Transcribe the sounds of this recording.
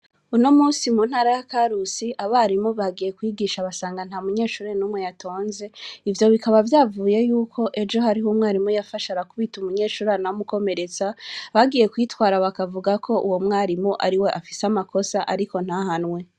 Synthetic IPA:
unomuːsimuːnhaːɾajakaɾusiʔaβaɾimuβaɡije̞kwiːɡiːʃaβasaːŋɡan̥hamuɲe̞ːʃuːɾenumŋejatʰo̞ːnze̞ivjo̞βikaβavjaːvuːje̞juːkʰo̞ʔe̞d͡ʒo̞haɾiɦumŋaːɾimujafaʃaɾakuβitumuɲe̞ːʃuːɾanamuko̞me̞ɾe̞t͡saβaɡiːje̞kwiːtwaːɾaβakavuɡakʰo̞ʔṵwo̞mŋaːɾimuʔa̰ɾiwe̞ʔafi̥seamako̞saʔaɾiko̞n̥hahanŋwe̞

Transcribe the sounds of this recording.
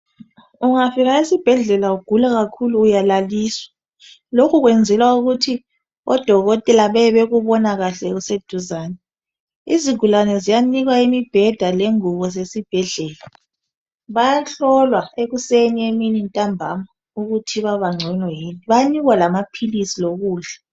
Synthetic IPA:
uŋafiɣaesib̥ʱɛɮɛlauɡ̥ʱulaɣakʰuluːjalaliːswḁ | lokʰuɣwɛnd͡zʱɛlwauɣutʰi | ɔ̰d̥ʱɔɣɔtʼɛlaβɛβeɣuβɔnaɣaɬɛɣused̥ʱuzaːnɛ | iziɡ̥ʱulanɛzijaniɣwaimib̥ʱɛd̥ʱaleŋuɣɔzesib̥ʱɛɮɛːla | βajaɬɔlwaeɣusenieminintʼambʱama | uɣutʰiβaβaŋ͡ǀʱɛnwɔjiːniβaaniɣwalamapʰilisiloɣuːɮa

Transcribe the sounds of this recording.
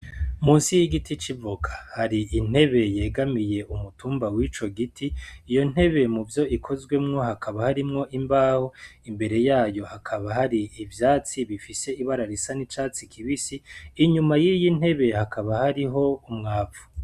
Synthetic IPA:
muːnsijiɡitit͡ʃivukʰḁhaɾiin̥he̞βe̞je̞ːɡamije̞ʔumutuːmbawit͡ʃo̞ɡitʰiːjo̞n̥e̞βe̞muvjo̞ʔikʰo̞zɡwe̞mŋo̞hakʰaβahaɾimŋo̞ʔimbaːhoimbe̞ɾe̞jaːjo̞hakʰaβahaɾiivjaːt͡siβifise̞iβaɾaɾisanit͡ʃaːt͡sikʰiβisiːɲumajiːjin̥he̞βe̞hakʰaβahaɾiɦo̞umŋaːpvu̥

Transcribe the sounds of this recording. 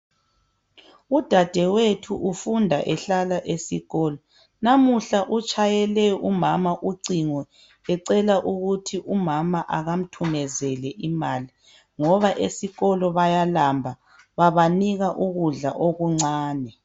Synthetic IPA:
ud̥ʱad̥ʱɛwetʰuʔufundʱaʔɛɬalaʔesiɣɔːlɔ | namuɬaʔut͡ʃʼajɛlɛumamaʔuǀiŋɔ | ɛǀɛlaʔuɣutʰiʔumamaʔaɣam̩tʰumɛzɛlɛʔimaːli | ŋɔβaʔesiɣɔlɔβajalambʱa | βaβaniɣaʔuɣuɮaʔoɣuŋ͡ǀaːnɛ

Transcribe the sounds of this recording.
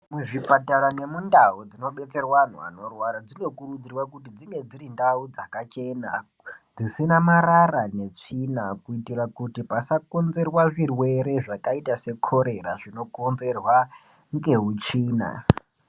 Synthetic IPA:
muʐipataɾane̞mundaud͡zino̞ɓe̞t͡se̞rwan̤ṵa̰no̞rwaɾad͡zino̞kurud͡zirwakutid͡ziŋɡe̞d͡zirindaud͡zakat͡ʃe̞na | d͡zisinamararane̞t͡ʂinakuitirakutipasako̞nze̞rwaʐirwe̞ɾe̞ʐakaitase̞kʰo̞ɾe̞raʐino̞konze̞rwa | ŋɡe̞ɦut͡ʃiːna̰

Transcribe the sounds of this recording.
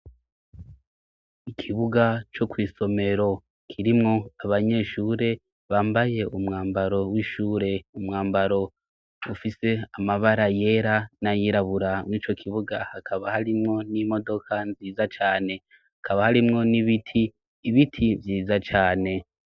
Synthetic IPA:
ikʰiβuɡat͡ʃo̞kwiːso̞me̞ɾo̞ | kʰiɾimŋo̞aβaɲe̞ʃuːɾe̞ | βaːmbaje̞umŋaːmbaɾo̞wiʃuːɾe̞umŋaːmbaɾo̞ | ufise̞amaβaɾaje̞ːɾanajiɾaβuɾamŋiːt͡ʃo̞kʰiβuɡahakʰaβahaɾimŋo̞nimo̞do̞kʰanziːzat͡ʃaːne̞ | hakaβahaɾimŋo̞niβitʰiː | βitʰivjiːzat͡ʃaːne̞

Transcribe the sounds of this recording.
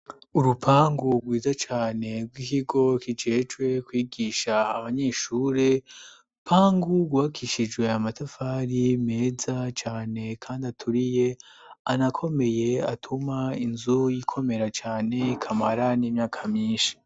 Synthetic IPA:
uɾupʰaːŋɡuɡwiːzat͡ʃaːne̞ɡwikiɡo̞kid͡ʒe̞d͡ʒwe̞kwiːɡiːʃaːβaɲe̞ʃuːɾe̞ | pʰaːŋɡuɡwakʰiʃid͡ʒwe̞amatafaːɾime̞ːzat͡ʃaːne̞kʰaːndiatʰuɾije̞anakʰo̞me̞je̞atʰumainzujikʰo̞me̞ɾat͡ʃaːne̞kʰamaɾaniːmɲaːkʰamɲiːnʃi̥

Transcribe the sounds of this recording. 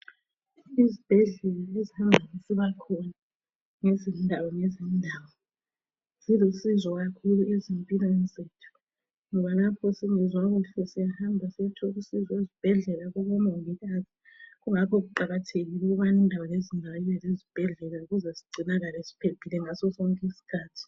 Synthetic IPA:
izib̥ʱɛɮɛlaezihambʱanisiβakʰɔna | ŋezindʱawɔŋezindʱaːwɔ | z̥ilosizɔɣakʰuluezimpʼilɔɛnzʼetʰu̥ | ŋɔβalapʰɔsiŋizwaɣuɬusijahambʱasiɛtʰɔɣusizezib̥ʱɛɮɛlaɣuβɔmɔŋiɣazʱi̥ | ɣuŋapʰɔɣuǃaɣatʰeɣiluɣuβanindʱawalezindʱawaiβɛlezib̥ʱɛɮɛlauɣuzɛsi̥ɡ͡ǀʱinaɣalesi̥pʰembʱilɛŋasɔsɔŋkʼisi̥kʰaːtʰi̥

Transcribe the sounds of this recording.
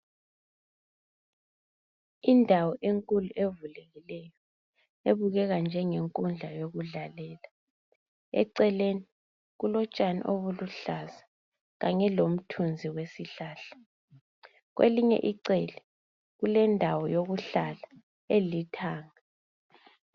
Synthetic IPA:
indʱawɔʔeŋkʼuluʔevulɛɣilɛjɔ | eβuɣɛɣand͡ʒʱɛŋeŋkʼund͡ɮʱajoɣuɮalɛːla | ɛ̰ǀɛleni | ɣulɔt͡ʃʼanḭʔoβuluɬaza | ɣaɲɛlom̩tʰund͡zʱiwesiɬaːɬḁ | ɣwʔḛliɲɛ̰ʔiǀɛlɛ | ɣulɛndʱawɔjoɣuɬala | elitʰaːŋa

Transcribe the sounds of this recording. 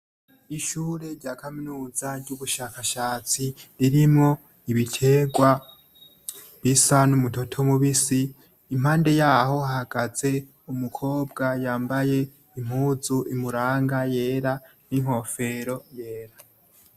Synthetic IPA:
iʃuːɾe̞ɾɟaːkaminuːzaɾɟuβuʃaːkaʃaːt͡siɾiɾimŋo̞ | iβitʰe̞ːɡwa | βisanumuto̞tʰo̞muβisiː | mhaːnde̞jaːɦo̞hahaɡaze̞ | umukʰo̞ːbɡajaːmbaje̞ | im̥huːzuʔimuɾaːŋɡaje̞ːɾa | niŋ̥ho̞fe̞ɾo̞je̞ːɾa

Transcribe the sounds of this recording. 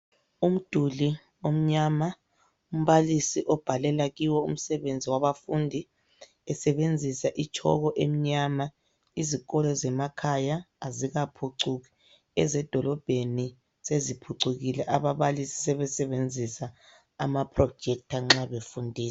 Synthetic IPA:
um̩d̥ʱuli | om̩ɲama | um̩βalisiʔɔb̥ʱalɛlaɣiwɔṵm̩sɛβend͡zʱiwaβafundʱi | ɛsɛβend͡zʱisaʔit͡ʃʰʼɔ̰ɣɔʔem̩ɲama | iziɣɔlɔzɛmakʰajaː | ziɣapʰuǀuɣi | ɛzɛd̥ʱɔlɔb̥ʱeni | sezipʰuǀuɣilɛʔaβaβalisi̥sɛβɛsɛβend͡zʱisaː | mapʰrɔ̥d͡ʒʱɛk̚tʰaŋ͡ǁaβefundʱiːsɛ

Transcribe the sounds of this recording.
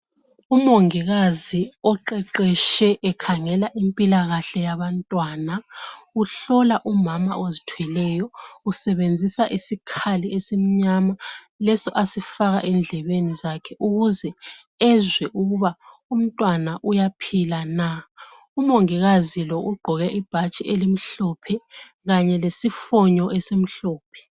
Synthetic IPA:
umoŋiɣaziɔǃɛǃɛʃɛʔɛkʰaŋɛlaʔimpʼilaɣaɬɛjaβantʼwaːnauɬɔlaʔumama̰ʔozitʰwɛlɛjɔusɛβend͡zʱisaʔisikʰaliesim̩ɲama | lɛsɔʔasifaɣaʔɛnd͡ɮʱɛβenizakʰɛʔuɣuzɛ | ɛzwɛʔuɣuβaum̩tʼwanaʔujapʰilana | umoŋiɣazilɔʔuɡ͡ǃʱɔɣɛʔib̥ʱat͡ʃʼiʔelim̩ɬɔpʰɛ | ɣaɲɛlesifɔɲɔʔɛsem̩ɬɔːpʰɛ̥

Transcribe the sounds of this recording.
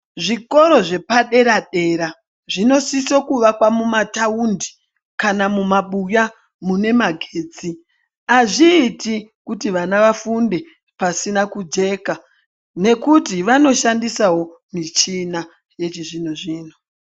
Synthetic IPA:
ʐiko̞ɾo̞ʐe̞paɗe̞ɾaɗe̞ɾa | ʐino̞siso̞kuʋakwamumataundi | kanamumaɓuja | mune̞maɡʱeːd͡zi | aʐiːtikutiʋanaʋafunde̞ | pasinakud͡ʒe̞ka | ne̞kutiʋano̞ʃandisawo̞ | mit͡ʃina | je̞t͡ʃiʐinoʐiːno

